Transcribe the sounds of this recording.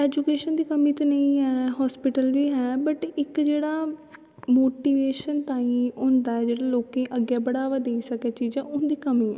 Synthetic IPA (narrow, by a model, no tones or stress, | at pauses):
ɛːd͡ʒukeːʃənd̪iːkəmiːt̪anəĩːɦɛːɦɔːspɪʈəlʋiːɦɛːbəʈɪkd͡ʒeːɽaː | moːʈiːʋeːʃənt̪ãːĩːʊnd̪aːɛːd͡ʒeːɽaːloːkẽʔəɡːɛːbəɽaːʋaːd̪eisəkɛːt͡ʃiːd͡ʒãːʊnd̪iːkəmĩːɛ̰̃ː